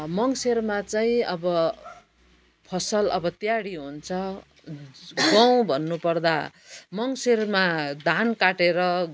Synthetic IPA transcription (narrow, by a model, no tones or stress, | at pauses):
mʌŋsermat͡saĩʌbʌ | pʰʌsʌlʌ̰bʌt̪jaɽiɦunt͡sʰʌ | ɡʌw̃bʱʌnːupʌrd̪amʌŋsermad̪ʱankaʈeɾʌ